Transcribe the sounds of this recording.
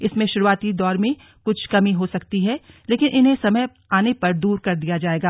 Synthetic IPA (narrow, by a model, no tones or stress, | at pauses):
ɪsmẽʃʊɾuaːt̪id̪ɔːɾmẽ | kʊt͡ʃʰkɐmĩɦosɐkt̪iɦɛ | leːkɪnʔɪnɦẽsɐməj | aːnepɐɾd̪uːɾkɐɾd̪ijad͡ʒaːeːɡaː